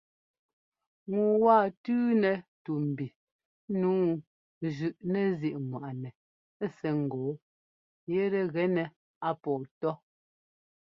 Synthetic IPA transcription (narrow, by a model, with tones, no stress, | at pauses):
ŋu˨wa˦˨tʉː˦nɛ˨tu˨m̩˨bi˨˦ | nuː˨˦ | ʒʉ˨ʔnɛ˦zi˦˨ʔŋwa˨ʔnɛ˨˦ | sɛ˨ŋ̩˨ɡoː˨˦ | jɛ˦ɾɛ˨ɣɛ˨˦nɛ˨ | a˦pɔː˨tɔ˦